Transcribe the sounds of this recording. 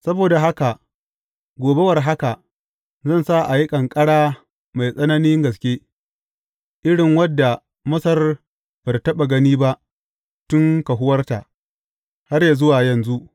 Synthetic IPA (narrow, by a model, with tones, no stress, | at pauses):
sɐ˦boː˨da˨ɦa˦ka˨ʔ | ɡʷoː˨be˦wɐ˨rɦa˦ka˨ | zɐ˦˨nsa˦ʔa˨ji˦kʼɐ˨ŋkʼɐ˦ɽaː˦ | ma˨jsʼɐ˦nɐ˦nɪ˦ŋɡɐ˨s̬kʲeː˦ | ʔɪ˦ɽɪ˨ŋwɐ˦dːa˨ | mɐ˦sɐ˦r | b̥ɐ˨rtɐ˦ɓa˨ɡɐ˦niː˦ba˦ʔ | tʊ˦ŋka˨ɦʊ˦wɐ˦rta˨ | ha˦rja˨zʊ˦waː˨jɐ˨nzu˦ʔ